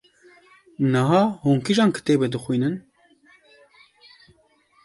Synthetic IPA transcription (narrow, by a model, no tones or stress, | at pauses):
nəɦɑːhoːŋkiʒɑːnkɨ̥t̪eːbɛd̪ɨxʷwiːnɨn